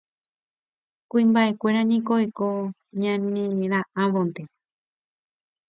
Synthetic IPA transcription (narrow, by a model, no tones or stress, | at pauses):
kuĩmbaʔe̞kʷe̞ɾanĩkoeko | ɲãnẽɾaʔãʋõnt̪e̞